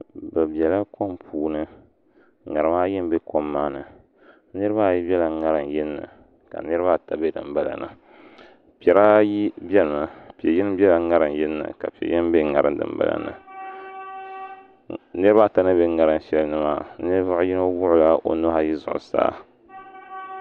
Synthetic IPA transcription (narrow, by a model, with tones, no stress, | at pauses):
bɨ˨bjɛ˨la˦ko˦mpʰuː˨nɨ˦ | ŋa˨ɾɨ˨ma˦jɛ˦m˦be˦ko˦mːaː˦nɨ˨ | nɨ˦ɾɨ˦ba˦˨ji˦bʲɛ˦la˨ŋa˦ɾɨ˨n˨jɪ˦nːɨ̰˨ | ka̰˨nɨ˦ɾɨ˦βa˦ta˨be˦dɨ̰˨mba˦la̰˨nɨ˨ | pi˨ɛ˨ɾa˦ji˦bʲɛ˦lɨ˨ma˨pi˨ɛ˨ji˦nɨ˦bɛ˦la˨ŋa˦ɾɨ˨njɪ˦nːɨ̰˨ka̰˨pi˨ɛ˨ji˦m˦be˦ŋa˨ɾɨ˦ndɨ̰˨mba̰˦la̰˨nɨ̰˨ | nɨ˦ɾɨ˦ba˦˨ta˦nɨ˦be˦ŋa˨ɾɨ˦ʃɛ˦lnɨ˦maː˦nɨ˦ɾba˦ji˦no˦wʊ˦ʔʊ˦la˦ʔo̰˦nʊ˦ha˦ji˦zʊ̰˨ʔʊ̰˨sa̰ː˦˨